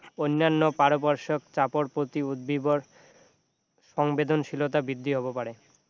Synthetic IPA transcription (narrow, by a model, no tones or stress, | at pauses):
onːanːopaɾopɔɾʃokt͡ɕapoɾpɾot̪iud̪̚biboɾ | ʃɔŋbed̪onʃilot̪abɾid̪ʱːiɦɔbopaɾe